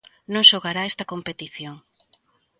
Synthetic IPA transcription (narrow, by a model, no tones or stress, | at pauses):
nõŋʃoɣaɾaest̪ɐkompet̪iθjoŋ